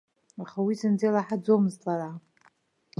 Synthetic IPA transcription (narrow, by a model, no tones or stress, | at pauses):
aχawisɨnd͡zejlaħad͡zomɨzt͡sʼaɾa